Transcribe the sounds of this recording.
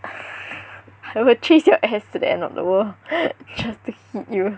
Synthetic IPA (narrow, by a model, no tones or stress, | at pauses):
aɪwilt͡ʃesjɔʔɛstudə̰ɛ̰̃ndɔ̰fdə̰wəld͡ʒastuhit̚ju